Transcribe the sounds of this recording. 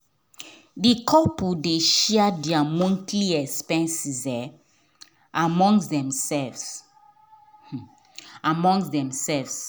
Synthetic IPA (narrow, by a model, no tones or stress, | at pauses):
dikʰɔpudeʃɛadɛamõntʰliɛkspɛ̃nsizɛ | amɔ̃ŋsdɛ̃msɛvs | amɔ̃ŋsdɛ̃msɛlvs